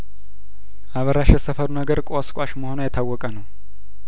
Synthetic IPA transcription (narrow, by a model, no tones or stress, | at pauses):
ʔaβəɾaʃjɛsəfəɾunəɡəɾkʼoskʷʼaʃməho̞nojɛt̪ʰawːɔkʼənəw